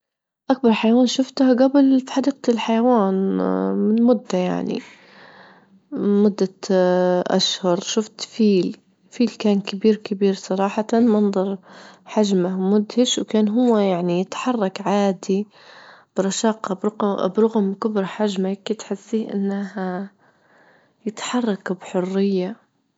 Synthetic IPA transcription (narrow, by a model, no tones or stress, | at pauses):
ʔak̚bɑɾˤħajawaːnʃʊft̪haɡabɪlfi̥ħad̪iːq̚lħajawaːnmɪnmʊd̪ːaja̰ʕnḭ | mʊd̪ːa | ʔa̰ʃhʊɾˤʃʊft̪fiːl | fiːlkaːnkɪbiːɾkɪbiːɾsˤɑɾˤɑːħɑt̪anmɑnðˤɑɾˤħaʒmamʊd̪hɪʃwkaːnɦʊwːajaʕnijɪt̪ħɑrˤːɑkʕaːd̪i | b̥ɾˤɑʃɑːqɑbɾʊbɾˤʊɣmkʊbɾħaʒmakːat̪ħɪsːiːʔɪ̰nːaha | jɪt̪ħɑrˤːɑkbħʊrːɪjːa